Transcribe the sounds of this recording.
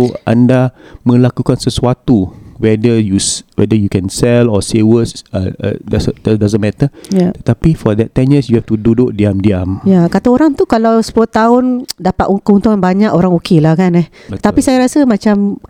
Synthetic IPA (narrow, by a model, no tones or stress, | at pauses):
oʔã̰ndamə̃lakukansəsuat̪uwɛdəjuswɛ̰dəjukɛ̃nsɛlɔsewəs | dɛsdɛdazə̃nmɛt̪əjat̪ət̪apifɔd̪ɛtːɛ̃njəsjuhɛftududoʔ̚diamdiamjakat̪aoɾaŋt̪ukalawsə̥puloht̪aʊndapat̪kunt̪uŋanbaɲaʔoɾaŋokelahkanɛht̪apisajaɾasəmãt͡ʃam